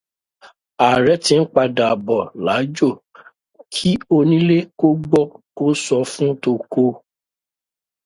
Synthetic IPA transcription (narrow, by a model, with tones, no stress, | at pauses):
a˨ɾɛ˨˦tĩ˧n̩˦k͡pa˧da˨bɔ˨la˨˦d͡ʒo˦˨ | kʰi˦o˧nĩ˦le˦ko˦ɡ͡bɔ˦˨ko˦sɔ˧fũ˦to˧ko˧˦